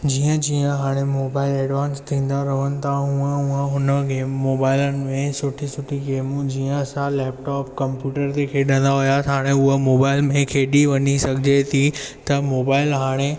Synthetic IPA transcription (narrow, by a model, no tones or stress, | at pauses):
d͡ʑiːə̃d͡ʑiːə̃ɦaːɽ̃emoːbaːɪlɛːɖʋaːnst̪ʰĩːnd̪aɾɐʋənɪ̆t̪ʰãɦũə̃uə̃ɦʊnəɡeːmːoːbaːɪlənɪ̆mẽsʊʈʰisʊʈʰiɡeːmũd͡ʑiːə̃sãlɛːp̚ʈɔːpkɐ̃mpjuːʈəɾt̪ekʰeːɗə̃n̆d̪aɦʊjaɦaːɽ̃eʊɦomoːbaːɪlmẽkʰeːɗiʋɐɲisɐɡʱɪd͡ʑet̪ʰi | t̪ɐmoːbaːɪlɦaːɽ̃e